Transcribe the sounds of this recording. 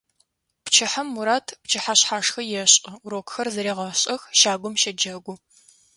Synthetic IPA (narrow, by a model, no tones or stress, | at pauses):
pt͡ʃʰɪħamːuɾaːtʰpt͡ʃʰɐħaɕħaːʂxɐjɛɕʼɨuɾoːkʷxɐrzɐɾeːʁɐɕʼɐxʃaːɡʷʊmʃɐd͡ʒɐɡʷʊ